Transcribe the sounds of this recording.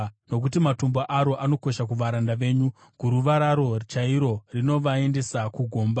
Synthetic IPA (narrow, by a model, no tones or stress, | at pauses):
no̞k̬utimatumbaʔaɾo̞ʔano̞ko̞ʃak̬uʋaɾandaʋe̞ːɲu | ɡ̥ʱuɾuʋaɾaɾo̞t͡ʃaiɾo̞rino̞ʋae̞nde̞sakuɡʱo̞ːmba